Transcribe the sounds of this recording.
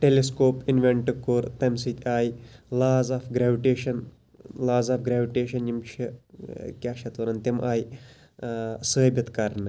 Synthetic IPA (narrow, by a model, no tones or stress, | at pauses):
ʈeleskoːpinʋeɳʈɨkoːɾt̪ɐmsit̪ʲaːjlaːzaːfɡɾaːʋiʈeːʃɐn | laːzaːfɡɾaːʋiʈeːʃɐnjimʃʰi | kʲaːʃɐt̪ɐɾɐnt̪emʔaːj | səːbʲɐt̪kɐɾnɨ